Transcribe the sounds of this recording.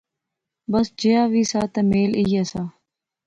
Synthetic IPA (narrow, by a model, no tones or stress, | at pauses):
bəsd͡ʒeːaːʋiːsaːt̪əmeːliːaːsaː